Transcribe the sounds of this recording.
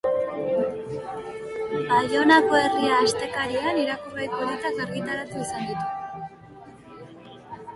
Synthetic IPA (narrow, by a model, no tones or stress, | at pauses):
alo̞nako̞e̞riaːst̪e̞kaɾianiɾakurajkoɾet̪akerɣit̪aɾat̪uisand̪it̪u